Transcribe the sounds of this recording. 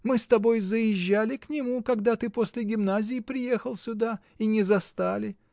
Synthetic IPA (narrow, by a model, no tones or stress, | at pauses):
mɨst̪ɐbo̞jzəjɪʒːalʲɪknʲɪmukɐɡd̪at̪ɨpo̞sʲlʲɪɡʲɪmnazʲɪjɪpɾʲɪje̞xəlˠsʲʊd̪a | inʲɪzɐst̪alʲɪ